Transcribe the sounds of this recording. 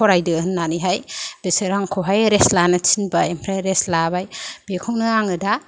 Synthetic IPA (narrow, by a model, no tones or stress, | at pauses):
ɔɾajdɯɯnːaniɦajb̥eseɾaŋkʰowɦajɾeslanɯt͡ʃʰinbajempʰɾajɾeslabajb̥ekʰuŋnɯaŋɯda